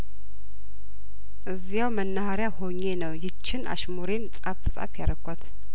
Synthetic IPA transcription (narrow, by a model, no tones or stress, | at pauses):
ʔɨzijawmənːahaɾjahoɲːe̞nəwjɪt͡ʃʰːɪna̰ʃmuɾent͡sʼafɨsʼa̰fjaɾəɡʷʼat̪